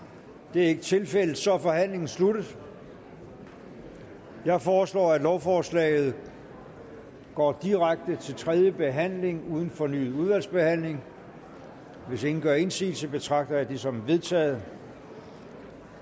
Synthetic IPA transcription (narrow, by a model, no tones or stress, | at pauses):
d̥e̝æɐe̝ɡ̥ət͡sʰe̝lfel̰ð̥̩ˠsɒ̽fɒ̽ɦæn̰le̝ŋn̩sluɾ̥əð̩ˠ | jɑ̈ɪfɒːslɒ̰ːæ̥lɒʊfɒːslɛ̰ːɪð̞̩ˠ | ɡ̥ɒ̰ːd̥iʁaɡ̥̚d̥ət͡sʰe̝lt͡sʰʁɛð̞ˠjəb̥e̝ɦæn̰le̝ŋuːð̞ˠn̩fɒ̽ny̰ːð̩ˠuð̞ˠʋæl̰sb̥e̝hæn̰le̝ŋ | ʋe̝se̝ŋn̩ɡ̥ɶɐe̝nsḭːl̩səb̥e̝t͡sʰʁɑ̈ɡ̥̚d̥ɐæd̥isɒ̽mæʋe̝ð̞ˠt͡sʰɛ̰ːð̞̩ˠ